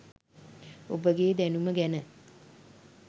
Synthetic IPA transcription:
o̰bəɡeːd̪ænuməɡænə

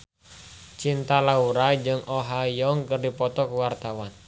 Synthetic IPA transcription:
t͡ʃint̪alauɾad͡ʒɨŋʔoɦajɔŋkɨrdipɔt̪ɔkuwart̪awan

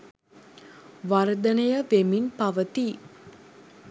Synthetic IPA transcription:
ʋaɾd̪ənəjəʋeminpaʋət̪i

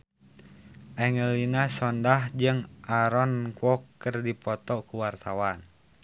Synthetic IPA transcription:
ʔaŋəlinasɔndahd͡ʒɨŋʔaɾɔnkɔkːərdipɔt̪ɔkuwart̪awan

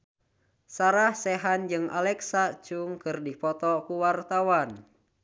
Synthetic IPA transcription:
saɾahsɛɦand͡ʒɨŋʔa̰lɛksat͡ʃuŋkɨrdipɔt̪ɔkuwart̪awan

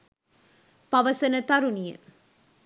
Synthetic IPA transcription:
pɐʋɐsɐnɐt̪ɐɾunijɐ̰

